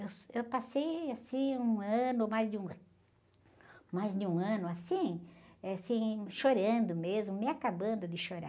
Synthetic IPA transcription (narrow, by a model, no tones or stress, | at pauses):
ewsewpasejasĩũɐ̃nʊmajzd̪ɪũ | majzd̪ɪũɐ̃nʊasĩɛsĩʃoɾɐ̃nd̪ʊmezmʊmɪakabɐ̃nd̪ʊd̪ɪʃoɾa̰